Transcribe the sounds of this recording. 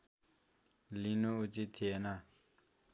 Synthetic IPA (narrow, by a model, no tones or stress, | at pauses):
linuut͡ɕit̪ʰena